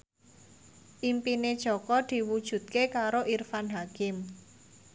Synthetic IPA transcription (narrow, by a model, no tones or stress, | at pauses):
ʔimpined̥ʒ̥ɔ̤kɔd̪̥i̤wud̥ʒ̥ṳt̪̚kekaɾoʔirfanɦakɪm